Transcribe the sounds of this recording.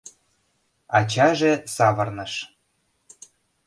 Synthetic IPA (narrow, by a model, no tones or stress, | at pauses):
ɑt͡ɕɑʒesɑβɤrnɤ̆ʃ